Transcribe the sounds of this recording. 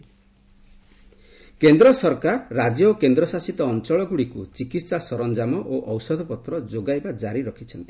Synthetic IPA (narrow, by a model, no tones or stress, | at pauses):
kend̪ɾɔsɔɾkaɾːad͡ʒjɔkend̪ɾɔsasit̪ɔːnt͡ʃɔɭɔɡuɽikut͡ʃikit̪sasɔɾɔnd͡ʒamɔʔoʔɔwsɔd̪ʱɔpɔt̪ɾɔd͡ʒoɡajbad͡ʒaɾiɾɔkʰit͡ʃʰɔnt̪i̥